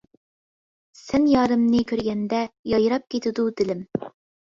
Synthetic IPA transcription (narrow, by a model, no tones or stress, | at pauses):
sɛnjɑːɾɨmnɨkʲʰøɾɡʲɛnd̪ɛjɑjɾɑp̚kʲʰet̪ʰɪd̪ud̪ɪlɪm